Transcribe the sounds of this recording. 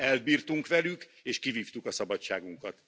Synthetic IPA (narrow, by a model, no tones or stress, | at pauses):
ɛlbiːrt̪uŋkʋɛlykeːʃkiviːft̪ukɒsɒbɒt͡ʃːa̰ːɡuŋkɒt̪